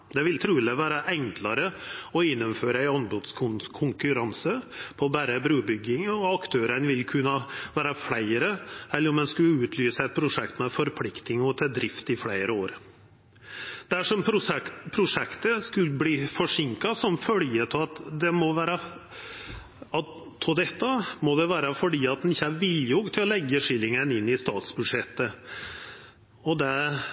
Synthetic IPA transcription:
d̪ɛʋɪlt̪ʰɾʉːləʋæːɾəʔɛŋklɑɾəɔɪnːəmføːɾəæɪɔnbʊd̪skʰʊnkʰʊŋkʉɾɑnsəpʰɔbæːɾəbɾʉːbʏɡɪŋɔɑkt̪ʰøːɾənʋɪlkʰʉnːɑʋæːɾəfɽæɪɾəɛlːəɾɔmd̪ɛnskʉəʉːt̪ʰlyːsəɛt̪̚pʰɾʊʂɛkt̪mɛfɔɾpʰlɪkt̪ɪŋɔt̪ʰɛd̪ɾɪft̪ɪfɽæɪɾəoːɾ | d̪̥æʂɔmpʰɾʊʂɛkt̪əskʉlbliːfɔʂɪŋkɑsɔmfœljət̪ʰɪɑt̪d̪ɛmɔʋæːɾɑ | ɑ | t̪ʰɔd̪ɛt̪ːɑmɔd̪ɛʋæːɾəfɔɖiːɑt̪̚d̪ɛnɪçːəæɾʋɪljɔɡt̪ʰɪlɔlɛɡːəʂɪlːɪŋənɪnːɪst̪ɑːt̪sbʉd̪ʂɛt̪ːə | ɔd̪ɛ

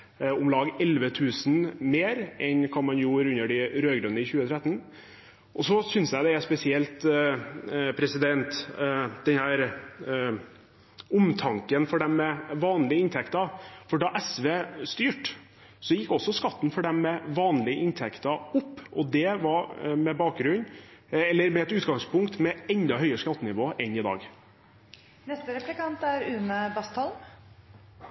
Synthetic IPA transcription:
ʊmlɑːɡɛlʋət̪ʰʉːsn̩meːɾʔɛnkʰɑnmɑnjuːɾʉnːəɖɪɾøːɡɾʉnəɪçʉːət̪ʰɾɛt̪ːn̩ | ʔɔsɔsʏnsjæɪd̪ɛæspɛsɪɛlt̪ | pʰɾɛsɪd̪ɛnt̪d̪ɛnhæːɾ | ʊmt̪ʰɑŋkənfɔɖɛmːɛʋɑːnlɪəɪnt̪ʰɛkt̪ɑfɔɖɑʔɛsʋeːst̪yːʈ | sɔjɪkːɔsːɔskɑt̪ːn̩fɔɖɛmːɛʋɑːnlɪəʔɪnt̪ʰɛkt̪ɑʊpːʔɔd̪ɛʋɑɾmɛbɑːk̚ɡɾʉnːɛlːəɾmɛɛt̪ʉːt̪ɡɑŋspʊŋkt̪mɛɛnd̪ɑɦœʏəskɑt̪ːənɪʋoːʔɛnːɪd̪ɑ̰ːɡ | nɛst̪əɾɛplɪkɑnt̪æɾʉːnəbɑst̪ʰɑl

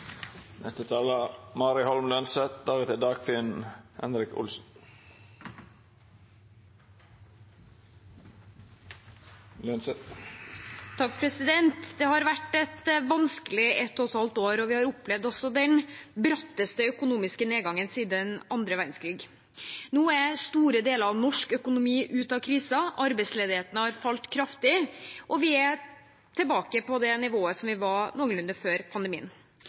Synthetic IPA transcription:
nʔɛ̰st̪ət̪ʰɑːləmɑːɾɪhɔlmlœnsət̪̚d̪æət̪ɪd̪ɑːɡ̥fɪnhɛ̰nɾɪkʊ̰lsn | lœnsət̪ | t̪ʰɑkpʰɾɛsɪd̪ɛnt̪d̪ɛːhɑɾʋæʈːɛt̪ʋɑnskəlɪɛt̪ːɔsɑlt̪oːɾɔʋɪhɑɾʊplɛʋd̪ɔsɔd̪ɛnbɾɑt̪ːəst̪əœkʊnuːmɪskəneːɡɑŋːənsiːd̪ənɑnd̪ɾəʋæɾnskɾiːɡ | nuːæst̪uːɾəd̪eːləɾɑʋnɔʂkœkʊnʊmiːʔʉːt̪ɑkʰɾiːsɑɑɾbɛɪsleːd̪ɪheːt̪ənəhɑɾfɑlt̪kʰɾɑft̪ɪʔɔʋɪæ | t̪ʰɪlbɑːkəpʰɔd̪ɛnɪʋoːəsɔmʋɪʋɑnoːɡəlʉnd̪əɾføːɾpʰɑnd̪əmḭːə̰n

